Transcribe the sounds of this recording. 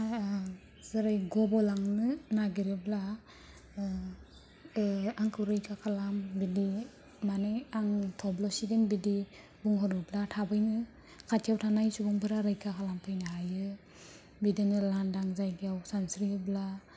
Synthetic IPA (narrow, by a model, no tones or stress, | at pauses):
zɯɾajɡɔbɔlaŋnɯnaɡiɾebla | aŋkʰɯwɾɯjkʰakʰalambidi | manɯjaŋtʰɔblɔsidenbidi | buŋɦɔɾɯblatʰabɯjnɯ | kʰatʰjawtʰanajsubɔŋpʰɯɾaɾɯjkʰakʰalampʰɯjnaɦajɯ | bidinɯlandaŋzajɡijawsansɾiɯbla